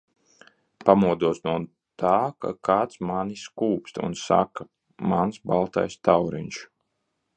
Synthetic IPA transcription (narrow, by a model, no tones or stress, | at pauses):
pamuɔd̪uɔsnuɔ | t̪aːka̰kʰaːt̪smaniskuːpst̪ṵnsa̰ka | mansbalˠt̪a̰jst̪awɾḭnʃ